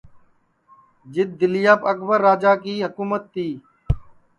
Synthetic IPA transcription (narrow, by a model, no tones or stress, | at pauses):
d͡ʒɪd̪̚ːɪlɪjaːpək̚bəɾːaːd͡ʒaːk̬iːɦəkuːmət̪ːiː